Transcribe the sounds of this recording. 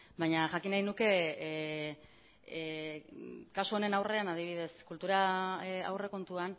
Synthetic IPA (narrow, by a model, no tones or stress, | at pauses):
bajɲaʝakinajnuke̞ | kasuo̞ne̞nawre̞anað̞iβ̞ið̞e̞skult̪uɾaa̰wre̞ko̞nt̪uan